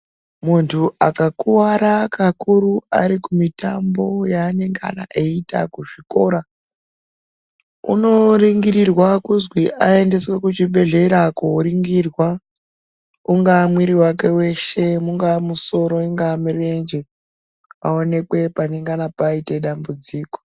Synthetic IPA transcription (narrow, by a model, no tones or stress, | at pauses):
muntʰuʔakakuwaɾakakuɾua̰ɾikumitambo̞jaːne̞ŋɡa̰na̰ʔeita̰kuʐiko̞ɾa | ṵno̞riŋɡiɾirwakuzwiʔae̞nde̞swe̞kut͡ʃiɓe̞ɮeɾakuɾiŋɡirwa | uŋɡaːmwiɾiwake̞we̞ʃe̞muŋɡaːmuso̞ɾo̞iŋɡaːmirend͡ʒe | a̰o̞ne̞kwe̞pane̞ŋɡanapaite̞ɗambud͡ziːko̥